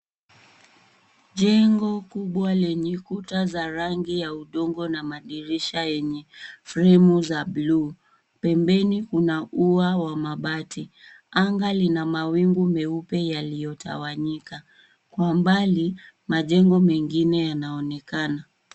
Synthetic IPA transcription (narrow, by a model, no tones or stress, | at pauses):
ʄɛŋɡɔkuɓwalɛɲɛkutazaɾaŋɡijauɗɔŋɡɔnamaɗiɾiʃajɛɲɛfɾɛmuzaɓlu | pɛmbɛnikunaʔuawamaɓati | aŋɡalinamawiŋɡumɛupɛjalijɔtʰa̰waɲika | kwambali | maʄɛŋɡɔmɛŋɡinɛjanaɔnɛkana